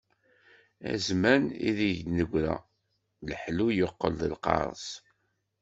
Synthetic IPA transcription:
æ̰zmænḭðinəɡʷɾæ̰ | ləħlujoqːəlðəlqɑ̰ɾˤə̰s

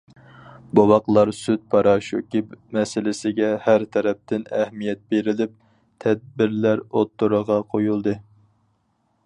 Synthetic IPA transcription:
bowɑqlˠɑɾsyt̪̚pʰɑɾɑʃukʲɪpmɛsɪlɪsɪɡʲɛhæɾt̪ʰɛɾɛp̚t̪ʰɪnɛhmijɛt̪̚beɾɪlɪp̚ | t̪ʰɛd̪̚bɪɾlæɾot̪ːuɾəʁɑqʰojulˠd̪ɨ

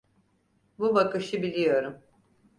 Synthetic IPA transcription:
bubakɯʃɯbilʲijo̞ɾum

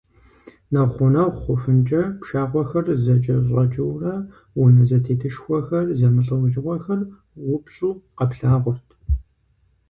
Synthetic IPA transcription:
nɐʁχʷʊnɐʁʷχʷʊfɨnt͡ʃʼɐpʃaːʁʷɔxɐrzɐt͡ʃʼɐɕ̬ʼɐt͡ʃʼɪwrɐ | wʊnɐzɐtʰeːtʰɨʃxʷɔxɐrzɐmɨɬʼɨwʒɪʁʷɔxɐr | wʊpɕʼuːqɐpɬaːʁʷʊrtʰ

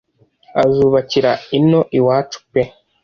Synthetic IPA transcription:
azuːβaciɾaino̞ʔiwaːt͡ʃu̥pe

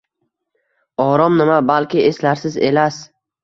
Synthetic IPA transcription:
ɒɾɒmnɪmabalkʲɪeslaɾsɪze̞̰las

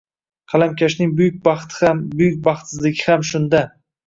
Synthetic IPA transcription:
qʰɑlamkʲʰaʃnɪŋbʊjʊk̚ʲbɑχt̪ʰambʊjʊk̚ʲbɑχt̪sɪzlɪɡʲɪhamʃʊnd̪a

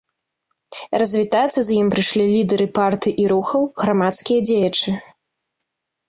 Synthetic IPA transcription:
rɐzʲvʲit̪at̪sːɐzjimpɾɨʂlʲilʲid̪ɐɾɨpart̪ɨʔiɾuxɐwɣɾamat̪skʲijɐd͡zʲejɐt͡ʂɨ

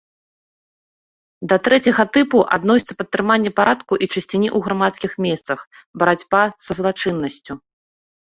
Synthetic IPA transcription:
d̪ɐt̪ɾɛt͡sʲɐɣɐt̪ɨpuʔa̰d̪nɔsʲit̪sɐpɐt̪ːɾɨmanʲːɛpaɾʔat̪kuʔit͡ʂɐsʲt͡sʲinʲiʔuɣɾamat̪skʲixmʲɛst̪sɐxbɐɾad͡zʲbasɐzlˠat͡ʂɨnːɐsʲt͡sʲu

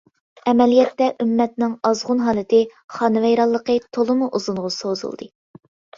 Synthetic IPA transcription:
ɛmɛlijɛt̪ːɛʔymːɛt̪nɪŋɑzʁʊnɦɑːlˠɨt̪ʰɨχɑːnɨvɛjɾɑlˠːəqət̪ʰolˠɨmuʔuzuɴʁʊsozṵlˠd̪ɨ

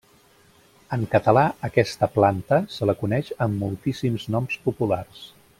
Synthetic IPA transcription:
əŋkət̪əlaəkɛst̪əplant̪əsələkunɛʃəmːulˠt̪isimznɔmspupulars

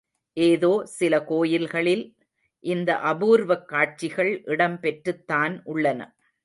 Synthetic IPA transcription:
ʔeːðoːsɪlɐkoːjɪlɣɐɭɪl | ʔɪnd̪ɐʔɐbuːɾʋɐkːaːʈ̚t͡ʃɪɣɐɭʔɪɽɐmpɛʈrɯt̪ːaːnʔʊɭːɐnɐ̰

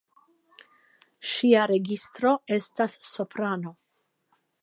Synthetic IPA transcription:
ʃiaɾe̞ɡist̪ɾo̞e̞stasːopɾano̞

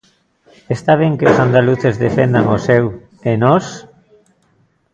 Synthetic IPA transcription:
est̪aβ̞eŋkeosand̪aluθezðefend̪aŋosew | enos

